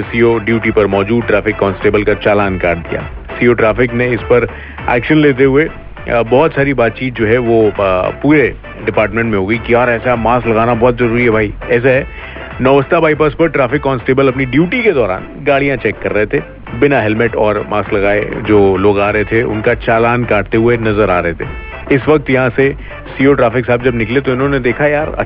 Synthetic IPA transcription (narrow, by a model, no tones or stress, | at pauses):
siːoɖjuːʈipɐɾmɔːd͡ʒuːd̪̚ʈɾaːfɪkːɔ̃ːnsʈeːbəlkat͡ʃaːlaːnkaːɾd̪ija̰ː | siːoːʈɾaːfɪkneɪspɐɾ | ɛ̰ːkʃənleːt̪̬eɦʊe | bɔːt̪saːɾibaːt̪̚t͡ʃiːt̪̚d͡ʒoːɦɛʋopuːɾe | ɖɪpaːɾʈmẽɳʈmẽɦoːɡɐikiaːɾɛːsaɦɛmaːslɐɡaːnabɔːt̪zɐɾuːɾiɦɛbʱaːiɛːs̬aɦɛ | nɔːʋəst̪abʱaːip̬əspɐɾʈɾaːfɪkːɔːnsʈeːbəlɐpniɖjuːʈiked̪ɔːɾa̰ːn | ɡaːɽijãt͡ʃɛːkːɐɾːɐɦet̪ʰe | bɪnaɦɛlmɪʈɔːɾmaːsklɐɡaːḛd͡ʒoːloːɡaːɾɐɦet̪ʰeʊ̰nkat͡ʃaːlaːnkaːʈ̚t̪eɦʊenɐzəɾaːɾɐɦet̪ʰe | ɪsʋɐk̚t̪jɐɦãse | siːoʈɾaːfɪksaːb̚d͡ʒɐbnɪklet̪oɪnɦõːned̪eːkʰajaːɾɐ̰